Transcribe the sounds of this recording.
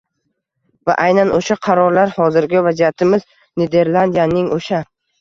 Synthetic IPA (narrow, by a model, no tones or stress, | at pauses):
va̰ʔajnanoʃaqʰɑɾɒɾlaɾhɒzɪɾɡʲavazijat̪ʰɪmɪz | ned̪e̞ɾlˠand̪ijanɪŋoʃa